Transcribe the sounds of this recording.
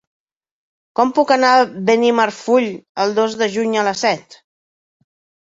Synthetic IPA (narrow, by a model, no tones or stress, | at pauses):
kɔmpukənaβenimərfuʎəlˠd̪ozðəʒuɲələsɛt̪